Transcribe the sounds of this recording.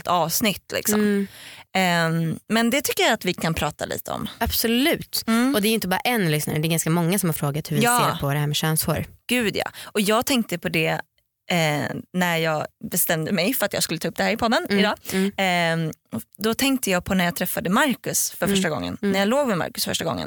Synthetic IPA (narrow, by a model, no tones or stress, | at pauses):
lt̪ɑːvsnɪt̪ːlɪ̰ksɔ̰m | mɛnd̪ɛt̪ʰʏkːəjaat̪vɪkʰanpʰɾɑːt̪a̰lḭːt̪əɔ̰mab̥sɔlʉ̟ːt̪ːɔd̪ɛɾjʏɪnt̪əbɑːɾa̰ʔɛnlʏsna̰ɾəd̪ɛɾɡanskamɔŋːasɔmhaɾfɾoːɡat̪hɵvjɑːeɾpʰɔd̪ɛɦæːmɛɕœːnso̰ɾɡ̥ʉ̟ːd̪jɑ̰ːɔjɑːɡ̚t̪ʰɛŋk̚t̪əpʰɔd̪ɛ | næɾjɑːɡbɛst̪ɛmd̪əmɛjfœɾat̪jɑ̰skɵlət̪ʰɑːɵp̚ːd̪ɛhæːɾɪpʰɔd̪ːənɪd̪ɑː | d̪ɔt̪ʰɛŋkt̪əjɑːɡ̚pʰɔnæɾjaːt̪ʰɾɛfːad̪əmaɾkɵsfœɾfœʂʈaɡɔ̰ŋːə̰nnæjaːloːɡmɛma̰ɾkɵ̥sfœ̰ʂʈaɡɔ̰ŋːə̰n